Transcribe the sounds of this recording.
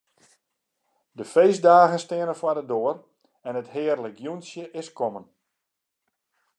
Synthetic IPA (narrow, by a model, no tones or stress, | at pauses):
dəfejzdaːɣənstɪənəfwadədoər | ɛnəthɪːrləɡjunsjəʔɪskɔmən